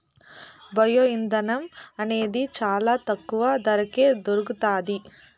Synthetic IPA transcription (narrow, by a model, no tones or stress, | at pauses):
bɐjoːind̪ɐnɐmɐneːd̪it͡ʃaːlaːt̪ɐkːuʋɐd̪ɐɾɐkeːd̪oɾuɡut̪aːd̪i